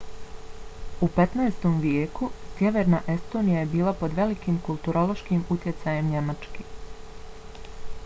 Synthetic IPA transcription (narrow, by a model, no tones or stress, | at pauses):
upe̞t̪naest̪o̞mʋjeːkusje̞ʋeɾnaːʔe̞st̪o̞ːnijaje̞biːlˠapo̞d̪ʋe̞likiːmkulˠt̪uɾolˠo̞ʃkimut̪je̞t̪saje̞mɲe̞mat͡ʃke